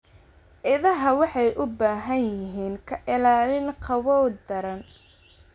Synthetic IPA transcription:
ʔɪðɐɦɐwɑħɑjʔʊbaːɦɐnjɪɦiːŋkʰɐʔɪlaːlɪnqʰɑwɔːwd̪ɐɾɐn

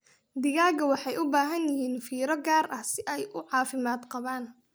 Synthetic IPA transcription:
d̪ɪɣaːɣɐwɑħɑjʔʊbaːɦɐnjɪɦiːnfiːɾɐɡaːrʔɐhsɪʔɛjʔʊʕɑːfɪmaːd̪qɑβaːn

